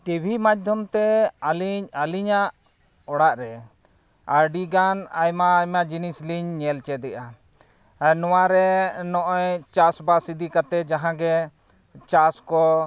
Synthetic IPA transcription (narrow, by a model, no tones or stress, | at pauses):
kebʱimad͡ʒd̪ʱjɔmt̪ɛaliɲaliɲaʔ | ɔɽaʔɾɛ | aɾɖiɡanajmajmad͡ʒinisliɲːɛlt͡ʃɛd̪ɛʔa | nɔwaɾɛnɔʔɔjt͡ʃasbasid̪ikat̪ɛd͡ʒaɦãɡɛ | t͡ʃaskɔ